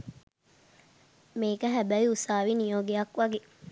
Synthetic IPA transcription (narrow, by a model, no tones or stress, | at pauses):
meːkəɦæbæʋiusaːʋinijoːɡejɐkʋɐɡe